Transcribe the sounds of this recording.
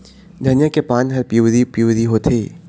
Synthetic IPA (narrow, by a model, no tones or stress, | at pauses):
d̪ʱɐnjakepãːnɦɐɾpuzipjuːdiɦoːt̪ʰeː